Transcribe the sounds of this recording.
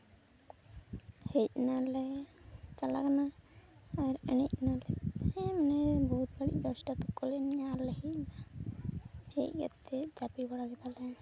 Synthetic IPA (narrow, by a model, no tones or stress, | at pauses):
hɛc̚nalɛ | t͡ʃala̰kanaː | ɾɛnic̚nalɛɛmanɛbɔut̪̚baɽḭc̚ˀd̪ɔsʈat̪ɔkːɔlɛnɲalɛhɛc̚na | hɛc̚ɡa̰t̪ːɛd͡ʒapibaɽaɡɛt̪alɛ